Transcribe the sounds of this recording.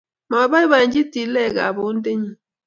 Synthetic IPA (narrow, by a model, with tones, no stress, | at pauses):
ma˨ba˦i˦ba˨ɲ˦d͡ʒi˦ti˨˦lɛ˦˨ɡa̰˨bo˨˦n̩˦de˦ɲi˦